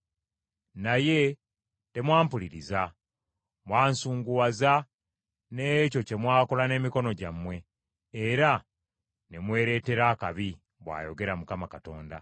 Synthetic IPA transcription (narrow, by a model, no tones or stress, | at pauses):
naje̞ | te̞mwaːmpuliɾiza | mwaːnsuːŋɡuwaza | neco̞ce̞mwaːkolane̞ːmiko̞no̞ɟamwe̞ː | ɾa | nemwe̞ːɾe̞ːte̞ɾaːkaβi | βwa̰ːjo̞ɡe̞ɾamukamakato̞ːnda̰